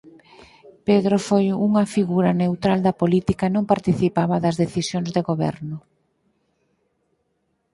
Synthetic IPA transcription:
peðɾofojuŋɐfiɣuɾɐnewt̪ɾald̪ɐpolit̪ikɐnõŋpaɾt̪iθipaβɐðɐzðeθisjoŋzðeɣoβɛ̰ɾnʊ

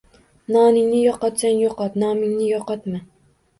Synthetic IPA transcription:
nɑːnɪŋnɪjɒqɑt̪sanjɒqʰɑt̪nɒːmɪŋnɪjɒqɑt̪mɪ

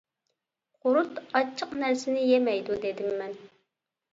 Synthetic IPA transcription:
qʰʊɾut̪ɑt͡ʃʰːəqnæɾsɪnɪjemɛjd̪ud̪ed̪ɪmːɛn

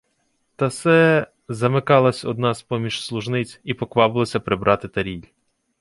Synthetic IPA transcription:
t̪ɐsɛ | zɐmɪkɑlˠɐsʲɔ̰d̪nɑspɔmʲiʃslˠʊʒnɪt͡sʲipɔkʋɑbɪlˠɔsʲɐpɾɪbɾʔɑt̪ɪt̪ɐɾʲilʲ

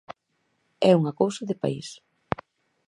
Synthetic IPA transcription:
ɛuŋɐkowsɐðɪpa̰ḭs

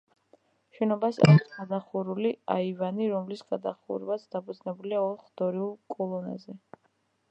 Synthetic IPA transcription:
ʃɛnɔbasa̰ɾisɡad̪aχuɾuliaivaniɾɔmlisɡad̪aχṵɾvat̪sʰd̪̥apʰud̪znɛbuliaɔɾχd̪ɔɾiulˠkʼɔlˠɔna̰zɛ

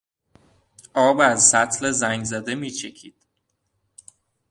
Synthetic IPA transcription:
ʔɒːbæzsæt̪ʰlezæŋɡzæd̪e̞miːt͡ʃʰecʰiːd̪̥̚

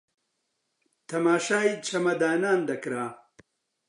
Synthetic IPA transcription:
t̪ʰɐmaːʃaːit͡ʃʰɐmɐd̪aːnaːnd̪ɐkɾaː

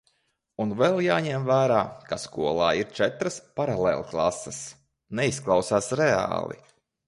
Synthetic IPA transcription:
unvɛlˠjaːɲɛmvæːɾaːkaskuɔlˠaːiɾt͡ʃɛt̪ɾəspaɾalˠḛːlˠklˠa̰səs | nɛisklˠɑwsaːsɾɛa̰ːlˠḭ

